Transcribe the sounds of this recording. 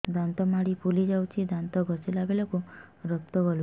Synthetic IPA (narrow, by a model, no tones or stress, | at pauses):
d̪ant̪ɔmaɽipulid͡ʒawt͡ʃʰid̪ant̪ɔɡʱɔsilabelɔku | ɾɔk̚t̪ɔɡɔlu